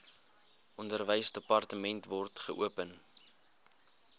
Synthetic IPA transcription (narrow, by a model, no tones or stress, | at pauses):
ʔɔndərvəjsdəpɐrtəmɛntvɔrtχəʔuəpən